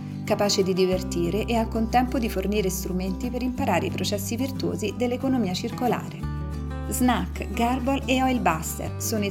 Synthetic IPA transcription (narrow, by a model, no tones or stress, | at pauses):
kapaːt͡ʃed̪id̪ivert̪iːɾeʔɛalkont̪ɛmpod̪iforniːɾest̪ɾument̪ipeɾimpaɾaːɾḛipɾot͡ʃɛsːivirt̪uo̰ːzid̪elːekonomiːat͡ʃirkola̰ːɾe | znak | ɡarboleɔjlbast̪ḛrsoːnoi